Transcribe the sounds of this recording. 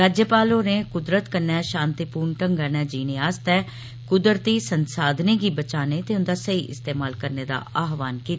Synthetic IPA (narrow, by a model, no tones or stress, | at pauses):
ɾaːd͡ʒjəpaːloːnẽːkʊd̪ɾət̪kəɾnɛːʃãːnt̪ipuːɾɳʈəŋɡaːnɛːd͡ʒiːnẽːaːst̪ɛː | kʊd̪ɾt̪iːsənsaːd̪neːɡiːbət͡ʃaːneːt̪eːʊnd̪aːsəiːʔɪ̰st̪eːmaːlkəɾneːd̪a̰ːaːɦʋaːnkiːt̪aː